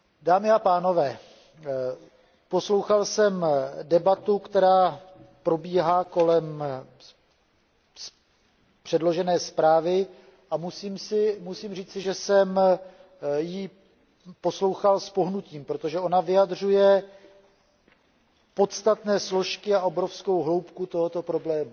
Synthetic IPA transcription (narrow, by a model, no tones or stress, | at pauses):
daːmɪapaːno̞vɛː | po̞slo̞wxalsɛmdɛbat̪ukt̪ɛɾaːpɾo̞biːɦaːko̞lɛm | s | pr̥ɛdlo̞ʒɛnɛːspɾaːvɪ | ʔamusiːmsɪmusiːmr̝iːt͡sɪʒɛsɛm | ji | po̞slo̞wxalspo̞ɦnuciːmpɾo̞t̪oʒɛʔo̞navɪjad̪r̝ujɛ | po̞t̪st̪at̪nɛːslo̞ʃkɪaʔo̞bɾo̞fsko̞wɦlo̞wpkut̪o̞ɦo̞t̪o̞pɾo̞blɛːmu